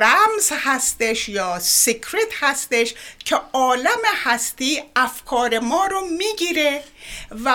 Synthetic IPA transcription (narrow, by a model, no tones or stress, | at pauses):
ɾæmzhæst̪eʃjɒːsikʰɾet̪ʰhæst̪eʃcʰeɒːlæmehæst̪iːæfkʰɒːɾemɒːɾomiːɡiːɾevæ